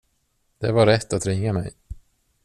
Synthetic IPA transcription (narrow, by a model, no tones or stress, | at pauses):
d̪̥ɛvaɾɛt̪ːat̪ɾɪŋːamɛ̰j